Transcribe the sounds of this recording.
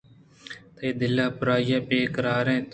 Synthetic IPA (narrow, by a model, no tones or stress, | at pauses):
t̪əiːd̪ɪlːaːpʊɾaːɪjaːpeːkəɾaːɾẽːt̪